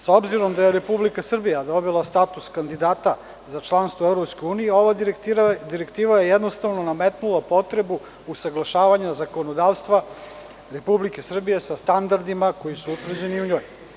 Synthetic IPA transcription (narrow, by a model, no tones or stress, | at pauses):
sobziɾo̞md̪aje̞ɾe̞publikasr̩bijad̪o̞bilˠast̪at̪uskand̪id̪aːt̪a | zat͡ʃlˠanst̪voevɾopsko̞juːnijeo̞ʋaɾad̪iɾekt̪iːʋajejɛd̪nost̪aʋnonamet̪nulˠapo̞t̪ɾe̞bu | usaɡlˠaʃaːʋaɲazako̞nod̪aːʋst̪ʋa | ɾe̞publike̞sr̩bije̞sast̪and̪aɾd̪imako̞jisuut̪vr̩d͡ʑe̞niuɲo̞ːj